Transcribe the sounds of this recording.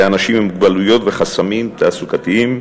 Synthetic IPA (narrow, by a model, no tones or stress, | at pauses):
anaʃimmuɡbalujo̞t̪veχasamimt̪aːsukat̪iim